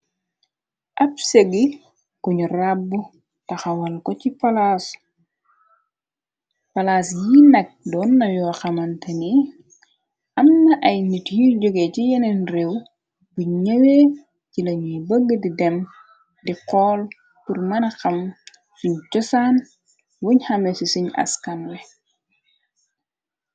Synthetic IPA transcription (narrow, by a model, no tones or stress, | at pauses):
ʔɐpseɡi | kuɲurabːu | tɐxɐwɐlkɔcifalas | fɐlaːsjinɐk̚dɔːnːɐwiwaxɐmantɐni | ʔɐmnɐʔɐjnithiɟoɡecijɛnenrew | bəɲɐweː | cilɐɲibəɡːədidɛm | diqɔːl | purmɐnɐxɐm | sicɔsaːn | wuɲhɐmesisiɲɐ̰skɐnwɛ